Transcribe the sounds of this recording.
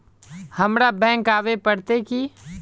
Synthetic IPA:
həmɾabɛ̃ːŋkaːʋepəɽt̪eki

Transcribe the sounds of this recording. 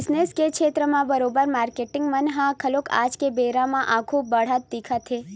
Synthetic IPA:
sneskekʰet̪ɾəmãbəɾobəɾmaɾkeʈɪŋɡmənɦãkʰəloka̰d͡ʒkebeɾamãʔakʰubəɽ̤ət̪̚d̪ikʰat̪ʰe

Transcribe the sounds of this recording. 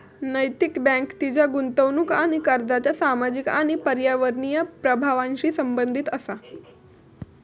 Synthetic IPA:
nəjt̪ikbɛ̃ŋkt̪id͡ʑjaɡunt̪əwnukaɽ̃ikəɾd̪at͡ɕjasamad͡ʑikaɽ̃ipəɾjaʋəɾɳijəpɾəbʱaʋãnɕiːsəmbənd̪ʱit̪əsa

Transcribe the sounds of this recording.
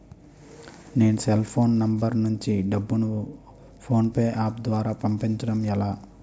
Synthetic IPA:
ne̞ːnuselpʰoːnːɐmbɐɾnuɲt͡ʃiɖɐbːunu | pʰo̞ːnpeːʔaːp̚d̪ʋaːɾaːpɐmpiɲt͡ʃɐɽɐmɛlaː

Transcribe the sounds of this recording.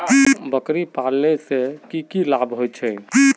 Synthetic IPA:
bəkɾipalnesekikilabʱɦojt͡ʃʰɛ

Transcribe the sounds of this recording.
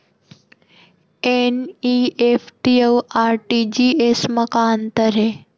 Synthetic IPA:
eniefʈiewaːɾʈid͡ʑiesməkaːnt̪əɾɦe

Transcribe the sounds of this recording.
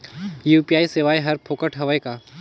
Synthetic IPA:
juːpiaːiseːʋaːjɦɐɾpʰoːkəʈɦɐʋəekaː

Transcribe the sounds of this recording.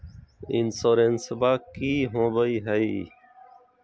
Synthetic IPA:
insoːɾensəbaːkiːɦõːbəiːɦəiː

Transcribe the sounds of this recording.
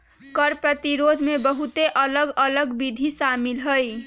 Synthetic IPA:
kʌɾpɾət̪iɾod̪ʱmebəɦut̪eʔʌləɡələɡbid̪ʱisamilɦoj

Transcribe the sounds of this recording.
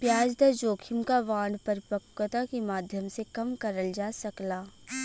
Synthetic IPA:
pjaːd͡ʒd̪ɐd͡ʒoːkʰɪmkaʋãːɳɖpɐɾɪpəkːət̪akimaːd̪ʱjəmsekɐmkɐɾəld͡ʒaːsɐklaː

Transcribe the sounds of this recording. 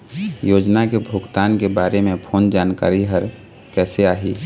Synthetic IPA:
joːd͡ʒnakebʱʊɡt̪aːnkebaːɾemẽpʰoːnd͡ʒaːnka̰ːɾiɦəɾ | kɛːseaːɦiː

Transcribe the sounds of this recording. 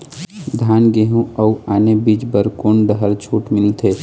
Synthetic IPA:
d̪ʱaːnɡeɦũəuaːnebiːd͡ʒbəɾkoːnɖəɦəɾt͡ʃʰuːʈmɪlt̪ʰeː

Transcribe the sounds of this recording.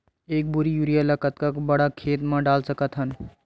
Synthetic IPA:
eːk̚bʊɾijuɾijaləkət̪kakbɐɽakʰeːt̪mẽɖaːlsəkət̪ɦən

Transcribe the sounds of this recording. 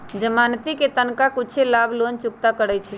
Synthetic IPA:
d͡ʒəmant̪iket̪ənkakut͡ʃʰelabʱlont͡ʃʊk̚t̪akəɽət͡ʃʰɛ

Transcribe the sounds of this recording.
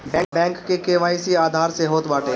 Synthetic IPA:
bɛ̃ːbɛ̃ːŋkːekeːʋaːisiaːd̪ʱaːɾseɦoːt̪ʋaːʈeː

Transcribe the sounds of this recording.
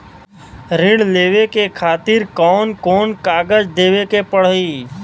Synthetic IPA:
ɾɪ̃ɽleːʋekekʰaːt̪ɪɾkɔːnkɔːnkaːɡəd͡ʒd̪eːʋekepəɽ̤iː

